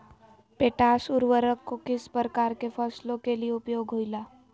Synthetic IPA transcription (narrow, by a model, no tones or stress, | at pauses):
peːʈaːʃʊɾwəɾəkːokɪspɾəkaːɾkefɔslõkelieʊpjoːɡʱɦoːilaː